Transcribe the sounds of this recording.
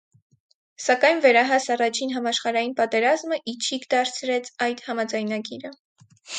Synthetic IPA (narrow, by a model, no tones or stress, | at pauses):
sɑkɑjnvɛɾɑɦɑsɑrɑt͡ʃʰinɦɑmɑʃχɑɾɑjinpɑt̪ɛɾɑzməʔit͡ʃʰikʰd̪ɑɾt͡sʰɾɛt͡sʰɑjd̪hɑmɑd͡zɑjnɑɡiɾə